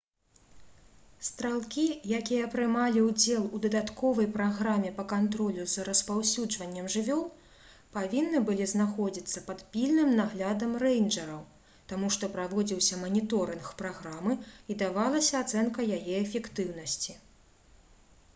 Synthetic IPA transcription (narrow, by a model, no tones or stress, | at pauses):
st̪ɾalˠkʲijakʲijɐːpɾɨmalʲiwd͡zʲɛlˠud̪ɐd̪at̪kɔvɐjpɾaɣɾamʲɛpɐkant̪ɾɔlʲuzrɐspawsʲud͡ʐvɐnʲːɐmʐɨvʲɔlˠ | pavʲinːɨbɨlʲiznaxɔd͡zʲit̪sːɐpɐt̪pʲilʲnɨmnaɣlʲad̪ɐmrɛjnʐɐɾɐw | t̪amuʂt̪ɔpɾavɔd͡zʲiwsʲɐmɐnʲit̪ɔɾɨnxpɾaɣɾamɨid̪avalˠɐsʲɐat̪sɛnkɐjajɛɛfʲɛkt̪ɨwn̪ɐsʲt͡sʲi